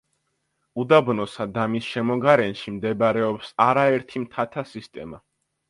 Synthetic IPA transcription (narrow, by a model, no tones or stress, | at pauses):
ud̪abnɔsad̪amisʃɛmɔɡaɾɛnʃimd̪ɛbaɾɛɔpsaɾaɛɾt̪ʰimt̪ʰat̪ʰasist̪ʼɛma